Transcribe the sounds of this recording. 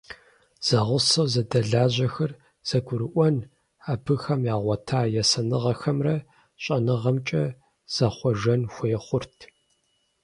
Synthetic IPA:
z̥ɐʁʷʊsɐwzɐdɐɮaːʑɐxɐr | z̥ɐɡʷʊɾɨʔʷɔn | abɨxɐmjaːʁʷɔtʰaːjɛsɐnɨʁɐxɐmrɐ | ɕʼɐnɨʁɐmt͡ʃʼɐ | z̥ɐχʷɔʒɐnxʷeːχʷʊrtʰ

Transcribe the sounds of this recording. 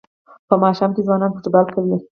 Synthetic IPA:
pəmɑʃamkezwɑnɑnpət̪əbalkawi

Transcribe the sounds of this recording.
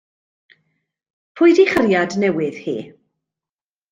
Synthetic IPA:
pʰʊjdiχəɾjadnɛwɪð̥hḭː

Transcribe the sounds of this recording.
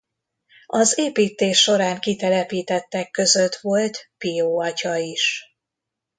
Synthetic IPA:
ɒzeːpiːt̪eːʃːo̞ɾaːŋkit̪ɛlɛpiːt̪ɛt̪ːɛkːøzø̞t̪ʋo̞lt̪pijoːɒcɒiʃ

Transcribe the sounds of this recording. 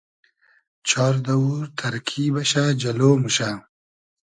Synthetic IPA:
t͡ʃʰɑːɾd̪ɐwuɾt̪ʰɐɾkʰiːbɐɕad͡ʒɐloːmuɕa

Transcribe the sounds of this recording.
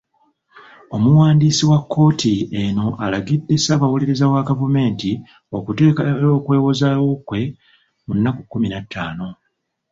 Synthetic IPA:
o̞muwaːndiːsiwakːo̞ːtʰieno̞ʔalaɡidːesaβawuliɾezawaɡavume̞ːnti | o̞kutekoːkwe̞ːwozawo̞kwe̞ | munːakukːuminatːaːno̞

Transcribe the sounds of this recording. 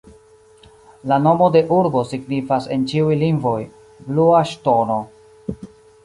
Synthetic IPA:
lano̞mo̞de̞ʔuɾbo̞siɡnifase̞nt͡ʃiujliŋɡvo̞j | bluaʃto̞no̞

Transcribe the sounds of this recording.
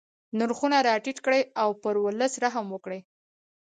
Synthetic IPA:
nʊɾxunaɾɑʈiʈkɽəjawpəɾwələsɾaɦamwəkɽəj

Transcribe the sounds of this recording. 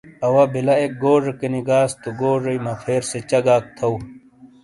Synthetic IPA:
ɐwɐbilɐek̚ɡoːʐɐkeniɡaːst̪uɡoːʐɐjmɐfʰeːɾset͡ɕɐɡaːk̚t̪ʰɐw

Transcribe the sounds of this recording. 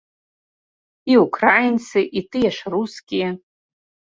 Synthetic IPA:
iukʰraajnsɨʔitʰʼɨjaʂaruskʲi

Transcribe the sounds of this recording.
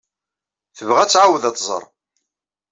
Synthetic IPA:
θəvʁæt͡sːʕawəðæt̪ˤzˤə̰ɾˤ

